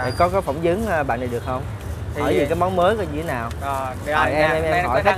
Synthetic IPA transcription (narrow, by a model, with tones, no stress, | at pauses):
kɔ˨˦kɔ˨˦jfə˧˩wŋ͡mzɨ˨˦əŋː˧ɓa̰ː˧˨n˨˩ɨ˨˩ək̚hə˧wŋ͡m | hʰɔ̰˧˩jzi˨˩kaː˨˦jmɔ˨˦ŋ͡mməː˨˦jkːɲɨ˧t̪ʰe˨˦naː˨˩w | aː˨˩jʔɛ˧mʔɛ˧mʔɛ˧mɔ̰˧˩jxa˦˥